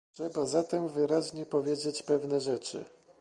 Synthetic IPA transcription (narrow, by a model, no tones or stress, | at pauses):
ʂɛbazat̪ɛmvɘɾaʑɲɛpɔvʲjed͡ʑet͡ɕpɛvnɛʐɛt͡ʂɘ̰